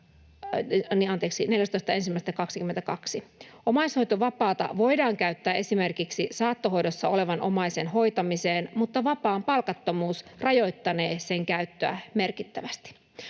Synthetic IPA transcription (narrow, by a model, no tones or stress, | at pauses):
niɑnt̪eːksine̞ljæst̪oist̪ɑe̞nsimːæˑist̪ækɑksikyment̪ækɑksiʔomɑisho̞jt̪oʋɑpɑːt̪ɑ̰ʋo̞jdɑːŋkæyt̪ːæːʔe̞simerkiksisɑːt̪ːoɦo̞jdosːɑo̞le̞ʋɑnʔo̞̰mɑjsenɦo̞jt̪ɑmiseːnmut̪ːɑʋɑpɑːmpɑlkɑt̪ːomuːsrɑjo̞jt̪ːɑneːse̞ŋkæyt̪ːøæ̰me̞rkit̪ːæʋæst̪i̥